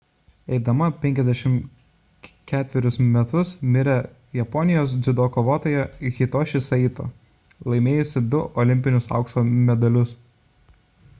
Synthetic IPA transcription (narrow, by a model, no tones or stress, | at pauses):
ɛɪd̪ɐmɐpʲɛŋʲkʲɛzd̪ʲɛʃʲɪm | kʲæːt̪ʲʋʲɛɾʲʊsmʲɛt̪ʊsmʲɪɾʲɛ | jɛpɔnʲɪjoːsd̪zʲʊd̪oːkoːʋoːt̪oːjɛɣʲɪt̪oːʃʲɪsɐiːt̪o̰ː | lˠɐɪmʲeːjʊsʲɪd̪ʊʔɔlʲɪmʲpʲɪnʲʊsɑ̰ˑʊksoːmʲɛd̪ɐlʲʊs